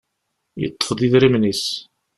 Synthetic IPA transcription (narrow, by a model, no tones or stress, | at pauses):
jə̰t̪ˤːə̥fðˤiðɾimnis